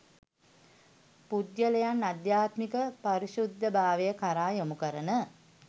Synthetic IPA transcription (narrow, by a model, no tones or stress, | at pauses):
pud̪jələjanːad̪jaːt̪mikəpaɾiʃud̪ːəbaːʋejəkaɾaːjomukəɾənə